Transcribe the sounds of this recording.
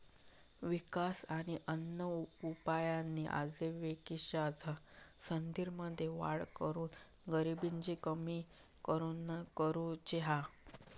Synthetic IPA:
ʋikasaɽ̃iʔənːəupajanːiʔa̰d͡zeʋekiɕad͡zʱəsənd̪iɾməd̪ʱːeʋa̰ɭkəɾuːn | ɡəɾibiɲd͡ʑikəmi | kəɾuːnkəɾud͡ʑeɦa

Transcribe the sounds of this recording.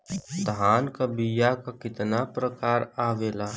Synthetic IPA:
d̪aːnkabijakakɪt̪napɾəkaːɾaːʋeːlaː

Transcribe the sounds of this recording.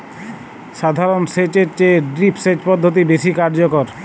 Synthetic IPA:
ʃad̪ʱaɾonset͡ɕeɾt͡ɕeɖɾipʰset͡ɕpɔd̪ʱːot̪̬ibeʃikaɾd͡ʑokoɾ

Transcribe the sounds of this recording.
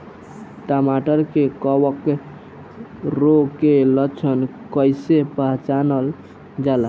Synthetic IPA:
ʈamaʈəɾkekɔwək | ɾokelət͡ʃʰənkəjsepəɦt͡ʃanəl | d͡ʒalə

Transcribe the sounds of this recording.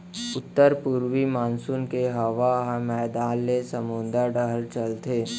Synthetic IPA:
ʊt̪ːəɾpʊɾwimaːnsʊnkeɦɐʋaɦmɛːd̪aːlːesəmʊ̃nd̪aɖəɦəɾt͡ʃəlt̪eː

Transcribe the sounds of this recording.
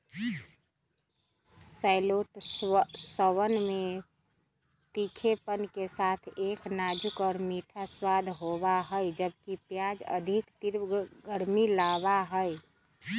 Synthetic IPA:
saɪlot̪ | səwənme | t̪ikʰepənkesat̪ʰeknad͡ʒukɔːɾmiʈʰaswad̪ʱɦobaɦəjd͡ʒəb̚kipjad͡ʒə̰d̪ʱikt̪iɾɡəɾmilaβaɦəj

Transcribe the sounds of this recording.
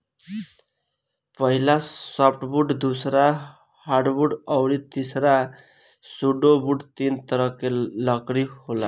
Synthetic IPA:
pʌɦilasɔpʰʈbuɖd̪usɾa | haɾɖbuɖʌwɾit̪isɾa | suɖobuɖt̪int̪ʌɾʌkelʌkɾihola

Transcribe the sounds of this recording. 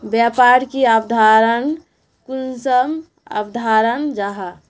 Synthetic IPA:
bjapaɾkiabd̪ʱaɾən | kunsəm | a̰bd̪ʱaɾənd͡ʒaɦa

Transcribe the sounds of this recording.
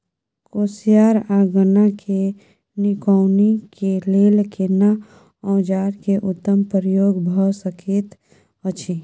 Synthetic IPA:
kosijaːɾaːɡənakʰe | nikɔwnikeleːlkena | ɔ̃ːd͡ʒaːɾkeʔʊt̪ːəmpəɾjoːɡbʱəsəkʰeːt̪ | ət͡ʃʰi

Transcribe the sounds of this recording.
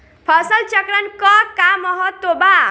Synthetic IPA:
pʰɔsəlt͡ʃakɾankɔkamɔɦɔt̪ːoba

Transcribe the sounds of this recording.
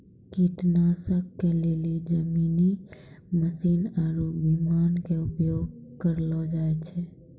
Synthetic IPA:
kiʈ̪nasəkːelelid͡ʒəmini | məsiːnaɾubimaːnkeʊpjoɡkəɾlɔd͡ʒaet͡ʃʰɛ

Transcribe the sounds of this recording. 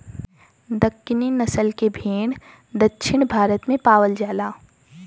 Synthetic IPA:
d̪ɐkːɪninɐsəlkebʱeːɽ | d̪ɐkʃʰɪɳ̃bʱaːɾət̪mẽpaːʋəld͡ʒaːlaː

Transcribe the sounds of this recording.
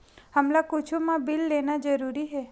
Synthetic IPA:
hɐmlakʊt͡ʃʰumãbɪlːeːnad͡ʒəɾuːɾiɦɛː

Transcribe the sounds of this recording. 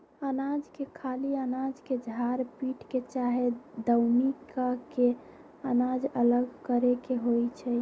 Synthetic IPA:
ənad͡ʒkekʰaliənad͡ʒked͡ʒʱaɾpiʈket͡ʃaɦed̪əwnikake | ənad͡ʒələɡkəɾekeɦojt͡ʃʰɛ

